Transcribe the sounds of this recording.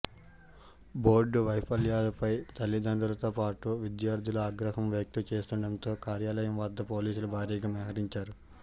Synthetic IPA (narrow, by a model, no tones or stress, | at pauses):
bo̞ːɾɖʋɐjpʰɐljaːlɐpɐjt̪ɐlːid̪ɐɳɖulɐt̪o̞ːpaːʈuʋid̪jaːɾd̪ʱiluaːɡɾɐɦɐmʋjɐk̚t̪ɐt͡ʃe̞ːst̪uɳɖɐnt̪o̞ːkaːɾjaːlɐjɐmʋɐd̪ːɐpo̞ːliːsulubʱaːɾiːɡaːmjɛːɦɐɾiɲt͡ʃaːɾu